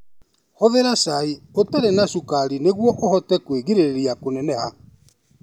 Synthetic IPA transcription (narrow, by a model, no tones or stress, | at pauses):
hoðeɾasaiotaɾenasukaɾineɣwɔʔohɔtɛkweɣiɾeɾeɾjakonɛnɛha